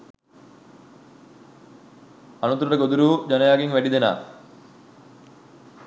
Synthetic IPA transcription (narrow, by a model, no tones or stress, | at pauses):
anut̪ːuɾuʈəɡod̪uɾuːd͡ʒanəjaːɡeŋʋæɖid̪ena̰ː